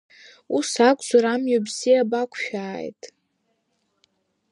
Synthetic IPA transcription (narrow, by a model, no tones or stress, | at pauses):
usakʷʼzʷaɾamjabziabakʷʰʃᶣaːjtʼ